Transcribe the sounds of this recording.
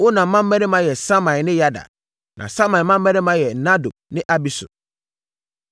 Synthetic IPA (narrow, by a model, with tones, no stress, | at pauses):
o˦nã˨˦mã˦m̩˦ɛ̃˦ɾɪ̃˦mã˨˦jɛ˨sa˦mã˨jnɪ̃˦ja˦da̰˨ | nʔã̰˨sa˦mã˨mã˦m̩ː˦ɛ̃˦ɾɪ̃˦mã˦jɛ˨na˦do˨b̚nɪ̃˦ʔa˦bi˦sʊ̰˨